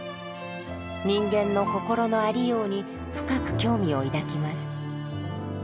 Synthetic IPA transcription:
ɲ̟ĩŋɡẽ̞nːo̞ko̞ko̞ɾo̞no̞aɾʲijo̞ːɲ̟i | ɸɯ̟̥kakɯ̟̥kʲo̞ːmʲio̞id̪akʲimasɨ̥

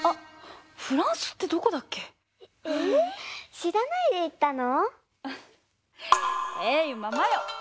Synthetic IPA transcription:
aɸɯ̟ɾãɰ̃sɨ̥t̪ːe̞d̪o̞ko̞d̪akːe̞ | e | ɕiɾanaid̪e̞it̪ːano | eɯmamajo

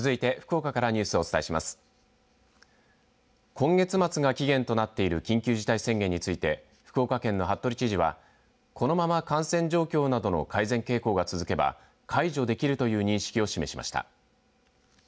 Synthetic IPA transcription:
ɨzɨit̪e̞ɸɯ̟̥ko̞ːkakaɾaɲ̟ɨːsɨo̞t͡sɨ̥t̪aiɕimasɨ̥ | kʰõ̞ŋɡe̞t͡sɨmat͡sɨɡakʲiɡẽ̞nt̪o̞nat̪ːe̞iɾɯ̟kʲĩŋkʲɨːʑit̪aisẽ̞ŋɡẽ̞ɲ̟ːit͡sɨit̪e̞ | ɸɯ̥ko̞ːkakẽ̞nːo̞ɦat̪ːo̞ɾʲit͡ɕiʑiβa̰ | kʰono̞mamakãɰ̃sẽ̞ɲ̟d͡ʑo̞ːkʲo̞ːnad̪o̞no̞̰kʰaizẽ̞ŋke̞ːko̞ːɡat͡sɨzɨke̞ba̰ | kʰaiʑo̞d̪e̞kʲiɾɯ̟t̪o̞jɯ̟ːɲ̟ĩɰ̃ɕi̥kʲio̞ɕime̞ɕimʔa̰ɕi̥t̪a̰

